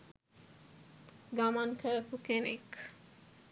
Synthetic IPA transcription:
ɡamankʰəɾɐpukenek

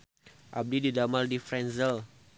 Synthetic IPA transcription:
ʔab̚dididamaldifɾɛnzəl

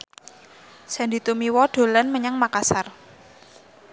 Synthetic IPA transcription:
sɛnd̪i̤t̪umiwɔɖ̥o̤lanməɲaŋmakasar

